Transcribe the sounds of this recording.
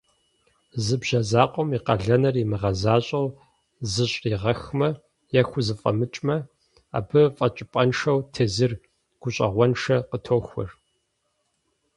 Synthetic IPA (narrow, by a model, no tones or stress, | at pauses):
zɨbʑɐzaːqʷʼɔmiːqɐɮɐnɐrimɨʁɐzaːɕʼɐw | zɨɕʼiːʁɐxmɐ | jɐxʷʊzɨfʼɐ̰mɨt͡ʃʼmɐ | a̰ːbɨfʼɐt͡ʃʼɪpʼɐnʂɐwtʰeːzɨr | ɡ̥ʷʊɕʼɐ̰ʁʷɔnʂɐqətʰoːxʷʊ̰r